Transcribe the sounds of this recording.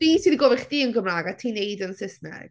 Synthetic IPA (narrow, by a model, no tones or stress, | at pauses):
iːsiðiɡɔvɪχdiːənɡəmraːɡatʰiːnejdənsɪsnɛ̰ɡ̥